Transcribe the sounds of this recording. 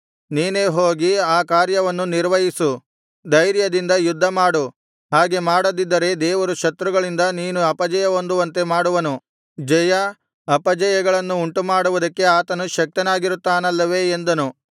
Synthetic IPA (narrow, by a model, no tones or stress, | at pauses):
niːne̞ːɦo̞ːɡiaːkaːɾjɐʋɐnːuniɾʋɐjisu | d̪ɐjɾjɐd̪ind̪ɐjud̪ʱːɐmaːɽu | ɦaːɡe̞maːɽɐd̪id̪ːɐɾe̞d̪ɛːʋɐɾuʃɐt̪ɾuɡɐɭind̪ɐniːnuɐpɐd͡ʒɐjɐo̞nd̪uʋɐnt̪e̞maːɽuʋɐnu | d͡ʒɐjɐ | ɐpɐd͡ʒɐjɐɡɐɭɐnːuːɳʈumaːɽuʋud̪ɐkːe̞aːt̪ɐnuʃɐk̚t̪ɐnaːɡiɾut̪ːaːnɐlːɐʋe̞ːnd̪ɐnu